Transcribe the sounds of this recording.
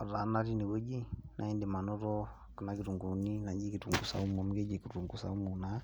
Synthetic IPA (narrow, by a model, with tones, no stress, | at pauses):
ɔ˨ɾa˨˦na˦ɾi˦ni˨wo˦d͡ʒi˦nʔa˨i˦nde˨ma˨nɔ˦ɾɔ˦˨ | ki˨na˨˦ki˨ɾu˨ŋɡu˨ni˦na˨d͡ʒi˦ki˨tu˨ŋɡu˨sa̰˨u˦m˨a˨m˦ɡe˦d͡ʒi˨ki˨u˨ŋɡu˨sa̰˨u˦mu˨na˦